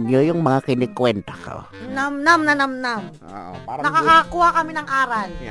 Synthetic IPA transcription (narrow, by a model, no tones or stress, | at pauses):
njojʊŋmɐŋakɪnɪkwɛnt̪aka̰o̰namnamnɐnɐmnam | nɐkɐkakʊakɐmɪnɐŋʔaːɾal